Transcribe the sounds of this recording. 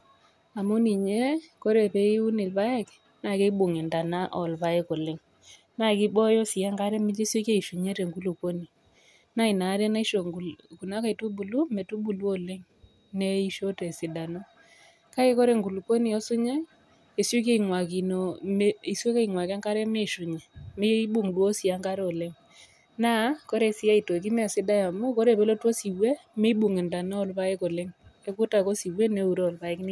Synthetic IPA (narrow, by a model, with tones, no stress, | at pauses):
a˨mo˦ni˨ɲe˦ko˦ɾe˨pe˨i˦u˦nɪ˨lpa˦ɛ˦k | na˦˨ke˦ɓu˨ŋɛ˨nda˨na˦ʔɔ˨lpa˨ɛ˦ko˨lɪ˦ŋ | na˦˨kɪ˦ɓɔ˦jɔ˦sɪ˨a˦ŋka˦ɾɛ˦mɪ˦t͡ʃe˦se˦ke˦i˨ʃu˨ɲe˦te˨ŋɡu˦lu˨ko˦ni˨ | na˦i˨na˨˦ɾɛ˦na˦i˦ʃo˨ku˨na˦ka˨i˨tu˦bu˨lu˦mɛ˨tu˦bu˨lu˦o˨lɪ˦ŋ | ne˦i˦ʃo˦te˨sɪ˨da˨no˦ | ka˦e˦kɔ˦ɾe˨ŋɡu˨lu˨ko˦ni˨o˦su˦ɲe˦ | e˨su˦k̬e˦i˨ŋwa˨ki˨no˨me˦i˨se˦ka˦i˨ŋwa˨ka˦ŋka˦ɾe˦me˦ʃu˨ɲe˨me˦bu˨ŋdwo˦si˨a˦ŋka˦ɾo˨le˦ŋ | na˦ko˦ɾe˦si˦a˦i˨to˨k̬i˦m˦a˨sɪ˦da˦ja˨mu˦kɔ˦ɾe˨be˦lo˦two˦si˨we˦me˦bu˨ŋe˨nda˨nɔ˦ɔ˦lpa˦e˦ko˨le˦ŋe˦ku˦ta˨ko˦si˨we˦ne˦u˨ɾo˦ɔ˨lpa˨e˦kni˦